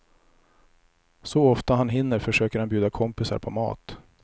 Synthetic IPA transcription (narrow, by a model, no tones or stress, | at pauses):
sɔɔft̪aɦanɦɪnːəɾfœʂøːkəɾhanbjʉ̟ːd̪akʰɔmpɪsa̰ɾpʰɔmɑ̰ːt̪